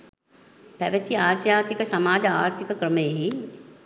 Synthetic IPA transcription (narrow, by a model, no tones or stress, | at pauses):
pɐʋɐt͡ʃiaːʃjaːt̪ikɐsɐmaːd͡ʒaːɾt̪ʰikɐkɾəmeːɦi